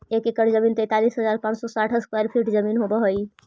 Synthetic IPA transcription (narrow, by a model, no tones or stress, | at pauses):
ekekəʈd͡ʒəmiːnt̪ɛt̪aliːsɦəzaːɾpãːt͡ʃsɔsaʈʰɦəskwajəɾpʰiʈd͡ʒəmiːnɦobəɦoi